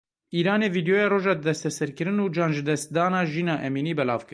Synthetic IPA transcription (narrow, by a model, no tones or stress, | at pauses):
iːɾɑːneːviːd̪joːjɑːroːʒɑːd̪d̪ɛst̪ɛsɛɾkɨɾɨnuːd͡ʒɑːnʒɨd̪ɛst̪̚d̪ɑːnɑːʒiːnɑːʔɛmiːniːbɛlɑ̰ːvkɨ